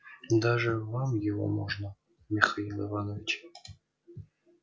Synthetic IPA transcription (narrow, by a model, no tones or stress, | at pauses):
d̪aʐəvamjɪvo̰mo̰ʐnə | mʲɪxailˠɪvanovʲɪt͡ɕ